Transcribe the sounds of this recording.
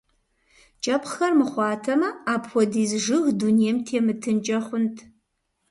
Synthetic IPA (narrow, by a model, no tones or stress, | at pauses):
t͡ʃʼɐpʰxɐrmɨχʷɑːtʰɐmɐaːpʰxʷɔdiːzʐɨɣdunijɛmtʰeːmɨtʰɨnt͡ʃʼɐχʷʊntʼʰ